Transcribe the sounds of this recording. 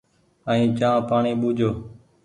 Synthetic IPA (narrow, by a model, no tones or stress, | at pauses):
əĩːt͡ʃãːpaːɳiːɓuːd͡ʒʱoː